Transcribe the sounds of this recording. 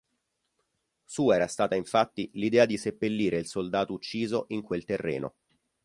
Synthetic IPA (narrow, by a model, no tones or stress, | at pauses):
suːɛːɾast̪aːt̪aiɱfat̪ːilid̪ɛːad̪isepːelːiːɾeilsold̪aːt̪out͡ʃːiːzoʔiŋkwelt̪erːḛːno̰